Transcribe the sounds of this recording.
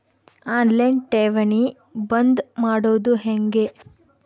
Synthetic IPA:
aːnlɐɳʈeːʋɐni | bɐnd̪maːɽoːd̪uɦeŋɡe

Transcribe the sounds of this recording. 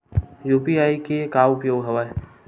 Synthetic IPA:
juːpiaːikekaːʊpjoːɡɦɐʋa

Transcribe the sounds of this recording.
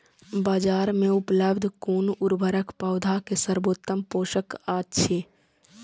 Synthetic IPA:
baːd͡ʒaːɾmẽʊpləbd̪ʱkuːnuɾbʱəɾəkpaːd̪ʱakesəɾboːt̪ːəmpoːʃəkaːtːʃʰeː

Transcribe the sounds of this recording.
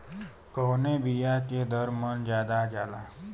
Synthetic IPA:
koːnebijaked̪əɾmənd͡ʒjaːd̪ad͡ʒaːla̰

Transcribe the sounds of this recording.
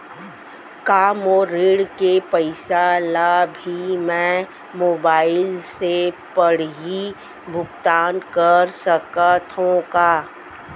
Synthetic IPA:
kaːmoɾeːɽkepəɪsalabʱimɛ̃ | moːbaːɪlsepəɽ̤ji | bʱʊkt̪aːnkəɾsəkat̪ʰõkaː

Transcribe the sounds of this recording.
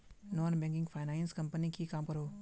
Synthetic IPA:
noːnbɛ̃ŋkɪ̃ŋɡfʰaɪnanskɐmpənikikaːmkəɾoː

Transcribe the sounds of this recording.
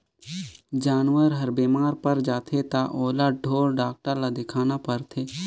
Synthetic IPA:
d͡ʒaːnwəɾɦɐɾbeːmaːɾpəɾd͡ʒaːt̪ʰet̪aʔoːlaɖʱoːɽɖaːk̚ʈəɾlad̪ɪkʰaːnapəɾt̪ʰeː

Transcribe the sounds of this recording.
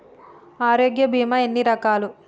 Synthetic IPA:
aːɾoːɡjɐbʱiːmɐenːiɾɐkaːlu

